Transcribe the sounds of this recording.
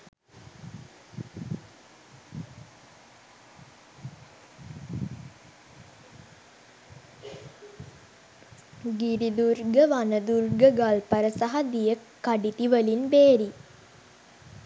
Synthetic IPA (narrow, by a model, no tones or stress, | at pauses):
ɡiɾid̪uɾɡəʋanəd̪uɾɡəɡalpəɾəsaɦad̪ijəkːaɖit̪iʋəlinbeːɾi